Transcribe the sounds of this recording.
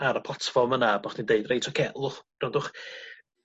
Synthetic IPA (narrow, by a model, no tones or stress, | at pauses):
aɾəpʰl̥ˠatʰfɔrmənabɔχd̥indeɨdrejtʰɔkʰeːlˠʊχr̥ɔdʊχ